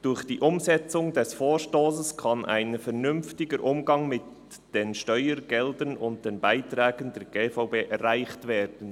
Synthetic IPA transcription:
d̥ʊɾχd̥iːʔʊmzɛt͡sʊŋdɛsfoːɾʃtoːsəskʰɑnʔa̰ɪnəfɛɾnʏmftɪɡəɾʔʊmɡɑŋmɪt | d̥enʃtœʏəɾɡɛldənʊnt̚d̥enbaɪtɾɛːɡənd̥ɛːɾɡ̥eːfaʊbeːʔɛɾaɪxtvɛːɾd̥ən̩

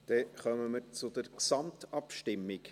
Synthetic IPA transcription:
d̪̥ɛχœməməɾt͡sʊd̪əɾksɑmt̪ɑpʃtɪmːɪk

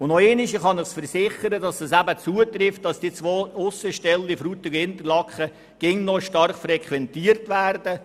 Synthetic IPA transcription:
ʊnnoeːnɪʃəχɑnɪχsfəɾsɪχəɾədɑsdɑsæbət͡suətrɪft̚d̥ɑsd̥it͡sʋoːʊsəʃtɛlifɾuːt̪əɡɪnt̪ərlɑkχə | ɡ̥ɪŋnɔʃtɑrχfrɛkʰʋɛntiːərtʋæːrdə

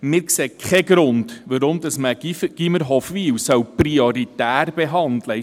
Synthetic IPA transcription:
mɪːɾkseːkʰχɛɡɾʊndʋəɾʊmd̥̪ɑsməɡ̥iməɾɦɔfʋiːwsœwprioɾit̪æːɾb̥eɦɑndlə

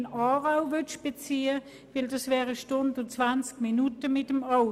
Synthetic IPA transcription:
naːʁaʊvøʃb̥et͡siːə | vɪldɑsvɛːʁəʃtʊndʊt͡sv̥ant͡skminutəmɪtəma

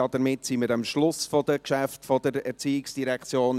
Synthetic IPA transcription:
ɑd̥əmɪtsiməɾɑmʃlʊsfɔd̥əkʃæftfɔd̥əɾɛɾt͡siːɪksd̥iɾɛkχt͡sjoːn

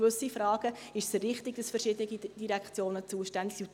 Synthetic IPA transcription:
vɵsifɾɑːɡ̥ə | ɪʃsɾɪχtɪɡ̥d̥ɑsfərʃɪd̪əniɡid̥iɾɛkχt͡sjoːnət͡suːəʃtænd̪lu

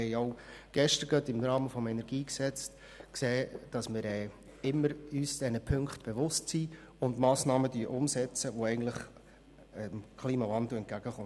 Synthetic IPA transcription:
ɛɪɔʊɡ̥ɛʃtəɾɡœtɪmɾɑːməfɔmɛnɛɾɡ̥iːksɛt͡st | kseːd̥ɑsmɪɾɛː | ɪmːəɾyːsd̥ɛnəpʰɵŋkχtb̥eʋʊstsiː | ʊndmɑːsnɑːmədyːʔʊmsɛt͡səʋoɛɪɡn̩tləχ | mkʰχliːmɑvɑndl̩ɛnt̚ɡ̥æɡ̥əχʊ

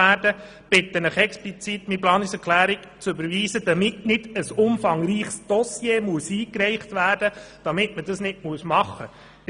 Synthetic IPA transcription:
æːdə | b̥ɪt̪ːənəχɛksplit͡sit̪miplɑːnɪsɛɾkʰlæːɾɪk | t͡sʏbəɾʋiːsəd̥ɑmɪtnɪd̥əsʊmfɑŋɾiːχsd̥ɔsjeːmuəsiːkɾɛɪχtʋæːrd̥əd̥ɑmɪtməd̥ɑsnɪtmuəsmɑχːə

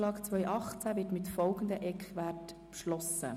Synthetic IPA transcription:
lɑːkt͡sʋœʏʔɑχt͡sæʋɪːtmɪtfɔlɡən̩d̪əʔɛkχʋætpʃlɔsə̰

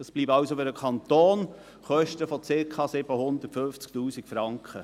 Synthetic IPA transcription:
əsb̥liːbɑwsofʏɾdəkʰɑnt̪oːn | χœʃtəfɔt͡sɪkʰχɑsɪb̥əhʊnd̪ətfønft͡sktuːsikfɾɑŋkχə

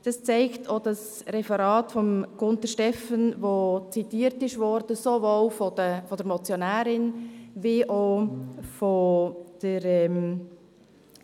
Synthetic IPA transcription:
d̥ɑst͡sɛɪktʰod̥ɑs | ɾɛfəɾɑːtfɔmɡ̥ʊntəʃtɛfənvot͡sitiːəɾtɪʃʋɔɾd̥əsovoːlfodəfɔdəɾmɔt͡sjonæːɾɪnviʔo | fod̥əɾɛm

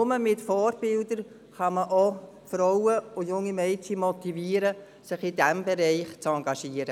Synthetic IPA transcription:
ʊməmɪtfɔːɾb̥ɪldəɾ | χɑməʔɔ | fɾɔwəʊjʊŋːimɛɪtimɔt̪iviːəɾə | sɪχɪdɛmbɛɾɛɪχt͡sɑŋɡɑʃiːəɾə

